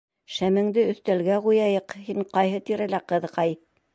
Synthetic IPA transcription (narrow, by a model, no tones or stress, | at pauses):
ʃæmɘ̆ŋd̪ɘɵ̆θt̪ælɡæʁujɑjɤqhiɴqɑjɦɤt̪iɾælæqɤ̆ðqɑj